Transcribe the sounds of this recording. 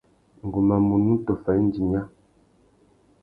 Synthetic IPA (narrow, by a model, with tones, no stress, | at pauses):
ŋ̩˨ɡu˨ma˨mu˨nu˦tɔ˨fa˨˦n˦d͡ʒi˨m˦a˦